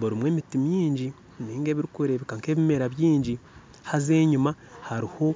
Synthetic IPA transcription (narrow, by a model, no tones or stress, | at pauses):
boɾimwe̞ːmitimjiːɲɟi | niːŋɡeːβiɾikuɾeβikaŋke̞ːβime̞ɾaβjiːɲɟi | haze̞ːɲuma | haɾiho̞